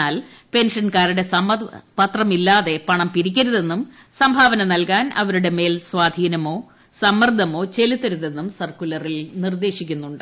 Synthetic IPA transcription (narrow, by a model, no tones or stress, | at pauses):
aːl | pe̞nʂɐnkaːɾuɽe̞sɐmɐpɐt̪rɐmilːaːðe̞pɐɳɐmpiɾik̬ʲːɐɾuðe̞nːum | sɐmbʱaːʋɐnɐnɐlkaːnɐ̰ʋɐɾuɽe̞me̞ːlsʋaːd̪ʱiːnɐmo̞ː | sɐmːɐrd̪ʱːɐmo̞ːt͡ɕe̞lit̪ːɐɾuðe̞nːumsɐrkulɐrilnird̪e̞ːʂikʲːunːuɳɖɨ